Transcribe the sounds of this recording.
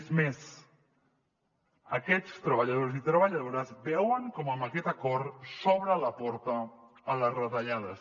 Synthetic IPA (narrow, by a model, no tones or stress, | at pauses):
zmez | əkɛt͡st̪ɾəβəʎəðoɾzit̪ɾəβəʎəðoɾəzbɛwəŋkɔməməkɛt̪əkɔɾsɔβɾələpɔɾt̪əː | ləzrət̪əʎaðəs